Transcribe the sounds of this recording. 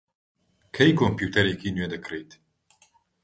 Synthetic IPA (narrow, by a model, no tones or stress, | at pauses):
kʰɛjkʰompjuːt̪ʰɛɾɛkiːnɥed̪ɨkɾeːt̪